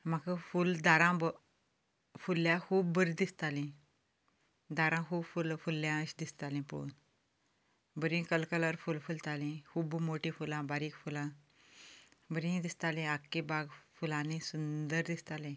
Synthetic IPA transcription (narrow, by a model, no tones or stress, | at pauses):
makafuld̪aɾãbə | fulːjãkʰuːbbəɾd̪ist̪alĩ | d̪aɾãkuːbfulfulːjãɕd̪ist̪alĩpṵn | bəɾĩkəlkələɾfulfult̪alĩkʰuːbmoʈĩfulãbaɾiːkfulã | bəɾĩd̪ist̪alẽakːebaɡfulãnẽsund̪əɾd̪ist̪alẽ